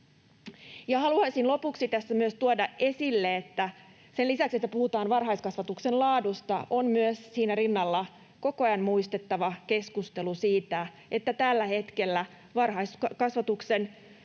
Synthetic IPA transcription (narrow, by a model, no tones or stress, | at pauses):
jɑhɑluɑisinlo̞puksit̪æsːæmyøst̪uodɑʔe̞silːeet̪ːæ | senlisækset̪ːæpuhut̪ɑːnʋɑrɦɑjskɑsʋɑt̪uksenlɑːdust̪ɑʔonmyøssiːnærinːɑlːɑ | ko̞koɑjɑnmuist̪et̪ːɑʋɑke̞skust̪e̞lusiːt̪æ | ʔet̪ːæt̪ælːæhe̞t̪kelːæ | ʋɑrhɑjsɑkɑsʋɑt̪uksen